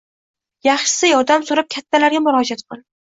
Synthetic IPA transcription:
jɑχʃɪ̥sɪjɒɾd̪amsoɾɪp̚kʲʰat̪ʰːalaɾɡʲamʊɾɒd͡ʒat̪qʰɨlˠ

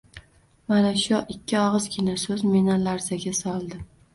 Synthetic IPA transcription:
manaʃʊʔɪkʲːɪɒʁɨzɡʲɪnasɵzmenalaɾsaɡʲasɒlˠd̪ɪ

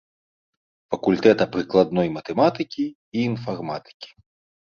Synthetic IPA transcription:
fɐkulʲt̪ɛt̪ɐpɾɨklˠad̪nɔjmɐt̪ɛmat̪ɨkʲi | iːnfarmat̪ɨ̥kʲi̥

